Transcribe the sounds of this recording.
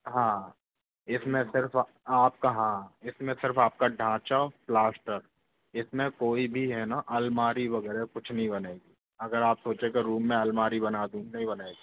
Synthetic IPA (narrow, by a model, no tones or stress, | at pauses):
ɦãː | ɪsmẽsɪɾfʰ | aːp̚kaɦãːɪsmẽsɪɾfaːp̚kaɖʱãːt͡ʃaplaːsʈəɾ | ɪsmẽkoːibʱiɦɛnaʔɐlmaːɾiʋɐɡɛːɾekʊt͡ʃʰnɐɦĩbɐneːɡiː | ɐɡəɾaːpsoːt͡ʃekeɾuːmːẽɐlmaːɾibɐnaːd̪ũːnɐɦĩbɐneːɡiː